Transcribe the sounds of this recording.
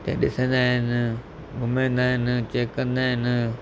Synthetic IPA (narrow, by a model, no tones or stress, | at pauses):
t̪ḛːɗɪsẽːnd̪aːɦɪn | ɡʱʊmẽnd̪aːɦɪnt͡ɕeːkːɐ̃nd̪aːɦɪn